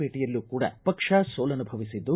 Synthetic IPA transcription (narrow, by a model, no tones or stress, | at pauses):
eːʈijɐlːuːkuːɽɐ̰pɐkʂɐsoːlɐnubʱɐʋisid̪ːu